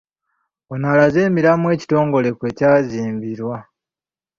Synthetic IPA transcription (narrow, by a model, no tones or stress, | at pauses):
onalaze̞ːmiɾamwe̞ːci̥to̞ːŋɡo̞le̞kwe̞ːcaːziːmbiɾwa